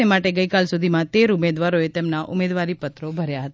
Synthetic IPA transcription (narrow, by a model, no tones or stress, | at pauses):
emaʈeɡəikalsud̪ʱimãt̪eɾumed̪ʋaɾoet̪emnaʔʊmed̪ʋaɾipət̪ɾobʱəɾjaɦət̪a